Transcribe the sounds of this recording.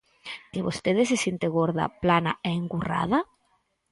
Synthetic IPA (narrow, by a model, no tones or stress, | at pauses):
keβost̪eð̞esesjent̪eɣoɾða̰plana̰ʔeeŋɡura̰ða